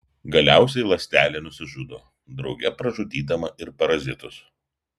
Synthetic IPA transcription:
ɡɐlʲæˑʊs̬ʲɛɪlˠɐsʲt̪ʲæːlʲeːnʊsʲɪʒud̪o̰ː | d̪ɾɒʊɡʲɛpɾɐʒʊd̪ʲiːd̪ɐmɐɪɾpɐɾɐzʲɪt̪ʊs

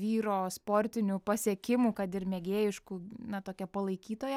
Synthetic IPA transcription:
ʋʲiːɾoːspoːɾʲt̪ʲɪnʲuːpɐsʲiɛkʲɪmuːkɐt̪ɪɾmʲɛɡʲeːjɪʃkuːnɐt̪oːkʲɛpɐlˠɐɪkʲiːt̪oːjɛ

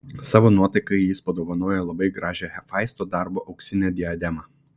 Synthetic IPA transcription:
sɑːʋoːnuɔt̪ɐɪkɐɪjɪspɐd̪oːʋɐnoːjɛlˠɐbɐɪɡɾɑːʒʲɛhɛfɑɪst̪oːd̪ɑˑɾboːʔɐʊksʲɪnʲɛd̪ʲɪɐd̪ʲɛmɑ

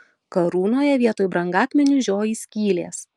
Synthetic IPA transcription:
kɐɾuːnoːjɛʋʲiɛt̪oːjbɾɐŋɡɑːkmʲɛnʲʊʒʲoːjiːsʲkʲiːlʲḛːs

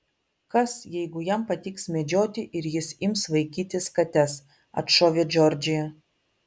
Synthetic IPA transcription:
kɐsjɛɪɡʊjɛmpɐt̪ʲiːksmʲɛd͡ʒʲoːt̪ʲɪʔɪɾjɪsɪmsʋɐɪkʲiːt̪ʲɪskɐt̪ʲɛs | ɐ̰t̪ʃoːʋʲeːd͡ʒʲɔɾʲd͡ʒʲɪjɛ

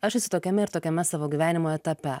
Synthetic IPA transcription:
ɐʃɛsʲʊt̪oːkʲɛmʲɛɪɾt̪oːkʲɛmʲɛsɑːʋoːɡʲiːʋʲæːnʲɪmoːjɛt̪ɐpʲɛ

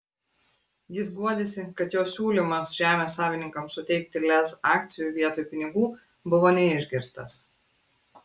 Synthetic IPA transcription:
jɪs̬ɡuɔd̪ʲesʲɪkɐt̪joːsʲuːlʲiˑmɐsʒʲæːmʲeːsːɑːʋʲɪnʲɪŋkɐmsʊt̪ʲɛɪk̚t̪ʲɪlʲɛsɑːkt̪sʲɪjuːˑʋʲiɛt̪oːjupʲɪnʲɪɡuː | bʊʋoːnʲɛɪʒʲɡʲɪɾst̪ɐs

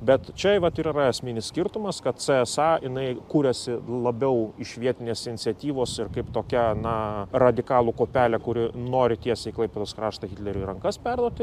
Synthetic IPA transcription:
bʲɛt̪t͡ʃʲɛʋɐt̪iːɾiːrɐɐsʲmʲɪnʲɪssʲkʲɪrt̪ʊmɐskɐt̪t͡s̪ɛɛsɑɪnɐɪkuːɾʲɛsʲɪlˠɐbʲɛʊɪʃʋʲiɛt̪ʲɪnʲeːsɪnʲɪt͡sʲsʲɛt̪ʲiːʋoːsɪrkɐɪpt̪oːkʲɛnɐrɐd̪ʲɪkɑːlˠukoːpʲæːlʲɛkʊɾʲɪnoːɾʲɪt̪ʲiɛsʲɛɪklˠɐɪpʲɛd̪oːskɾɑːʃt̪ɐɣʲɪt̪ʲlʲɛɾʲʊiɾɐŋkɐspʲɛrd̪uɔt̪ʲɪ

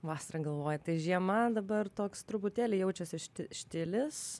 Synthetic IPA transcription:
ʋɑːsɐɾɐɡɐlˠʋoːjɛt̪ɐɪʒʲiɛmɐd̪ɐbɐrt̪oːkst̪ɾʊbʊt̪ʲæːlʲɪjɛʊt͡ʃʲɛsʲɪʃʲt̪ʲɪʃʲt̪ʲɪlʲɪs

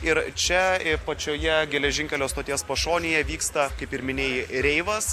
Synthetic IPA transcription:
ɪɾt͡ʃʲɛɪpɐt͡ʃʲoːjɛɡʲɛlʲɛʒʲɪŋʲkʲɛlʲoːst̪oːt̪ʲiɛspɐʃoːnʲeːjɛʋʲiːkst̪ɐkɐɪpɪɾmʲɪnʲeːjɪɾʲɛɪʋɐs

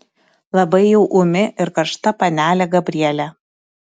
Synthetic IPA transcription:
lˠɐbɐɪjɛʊʔʊmʲɪʔɪɾkɐɾʃt̪ɐpɐnʲæːlʲæɡɐbʲɾʲiɛlʲæ

